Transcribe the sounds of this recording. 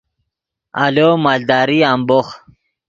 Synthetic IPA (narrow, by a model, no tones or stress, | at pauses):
a̰lomald̪aːɾiambox